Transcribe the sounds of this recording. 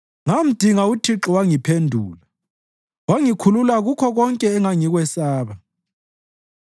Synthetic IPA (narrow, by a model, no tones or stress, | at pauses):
ŋam̩d̥ʱiŋautʰiǁɔwaŋipʰendʱṵːla | waŋikʰululaɣukʰɔɣɔŋkʼɛːŋaŋiɣwɛsaːβa